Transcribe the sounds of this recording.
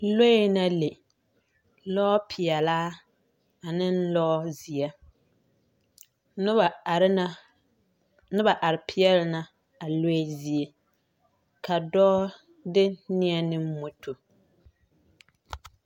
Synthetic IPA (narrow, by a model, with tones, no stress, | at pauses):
lo˦e˦na˦le˨ | lɔ˦pʰɪ˨ɛ˨laː˦ | a˨nɪ˦n˦lɔ˦zi˨ɛ˦ | nʊ˦a˨ɾ | nɪ˦ba˨ʔa˨ɾɪ˨pʰɪ˦ɛ˦lɪ˦na˦ | a˨lo˦e˦zi˦e˦ | ka˨dɔː˦ | dɪ˦nɪ˦ɛ˦nɪ˦m˦mo˦tʰo˨